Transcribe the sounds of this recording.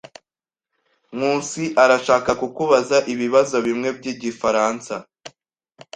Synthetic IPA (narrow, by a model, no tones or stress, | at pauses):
muːnsiʔaɾaʃaːkakukuβazaʔiβiβazo̞βimŋe̞bɟiːɟifaɾaːnsa